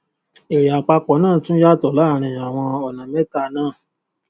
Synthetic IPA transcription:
e˨ɾja˨k͡pa˧k͡pɔ˨˦nãː˦˨tũ˦ja˦˨tɔ˨la˦˨ɾ̃ĩ˨a˨w̃ɔ̃˧ɔ˨nã˨me˦ta˧˨nãː˦˨

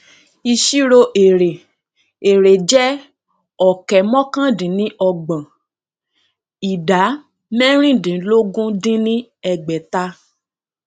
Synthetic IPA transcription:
i˧ʃi˦ɾo˧ʔe˨ɾe˨ | e˨ɾe˨d͡ʒɛ˦ | ɔ˨kɛ˨mɔ̃˦kã˦dĩ˨˦nĩ˦ʔɔ˧ɡ͡bã˨ | i˨da˨˦ | mɛ̃˦ɾ̃ĩ˦˨dĩ˨˦lo˦ɡũ˦dĩ˦nĩ˦ɛ˧ɡ͡bɛ˨ta˧˦

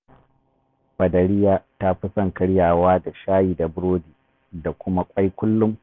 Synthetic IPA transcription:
bɐ˨dɐ˨ɽɪ˦jaː˦ta˦ɸi˦sɐ˦˨ŋkɐ˦ɽjaː˨waː˦da˨ʃaː˦jiː˨da˨bʊ˦ɽoː˦diː˨ | da˨kʷʊ˦ma˦kʷʼɐ˦jkʷʊ˦lːʊ˦m

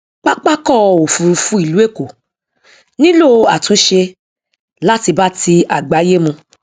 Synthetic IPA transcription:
k͡pa˦k͡pa˦kɔ˦˨˧o˨fũ˨ɾfũ˦i˦˨lu˨˦e˦˨ko˨ | nĩ˦lo˦˧a˨tũ˨˦ʃe˧ | la˦ti˧ba˦ti˧a˨ɡ͡ba˨˦je˦mũ˧

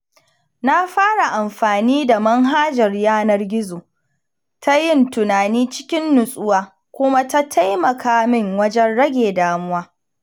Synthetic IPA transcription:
na˦ɸaː˦ɽa˨ʔa˨mɸaː˨niː˦da˨mɐ˦ŋɦaː˦d͡ʒɐ˨rjaː˦nɐ˦rɡʲɪ˦zoː˨ | tʰa˦jɪ˦˨ntʊ˨naː˨niː˦t͡ʃɪ̥˦kʲɪ˦nːʊ˨sʼʊ˦waː˦ | kʷʊ˦ma˦ta˦tʰa˦jmɐ˨kaː˦mɪ˦˨ŋwɐ˦d͡ʒɛ˦nɽɐ˦ɡʲeː˨daː˨mʊ˦waː˦

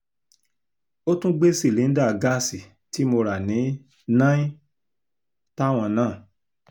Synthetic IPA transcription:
o˦tũ˦ɡ͡be˦si˦˨le˨˦n̩˦da˦˨ɡa˦˨si˨ | ti˨˦mo˧ɾa˨nĩ˨˦ | nã˦ĩ˦ | ta˦w̃ɔ̃˧nãː˦˨

